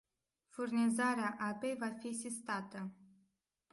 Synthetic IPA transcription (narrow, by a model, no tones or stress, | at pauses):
furnizaɾeaʔape̞jvafisist̪at̪ə